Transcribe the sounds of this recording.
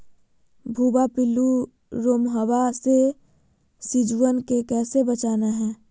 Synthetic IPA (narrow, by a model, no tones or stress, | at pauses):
bʱuːbapɪlu | ɾoːmɦəʋase | sɪd͡ʒwənkekɛːsebət͡ʃaːnaɦɛ̃ː